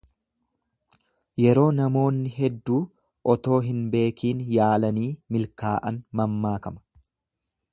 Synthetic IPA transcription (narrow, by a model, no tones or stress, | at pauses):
jɛɾo̞ːnɐmo̞ːnːɪɦɛd̪ːuː | ʔɔt̪o̞ːɦɪnbe̞ːkiːnjaːlɐniːmɪlkaːʔɐnmɐmːaːkɐmɐ̥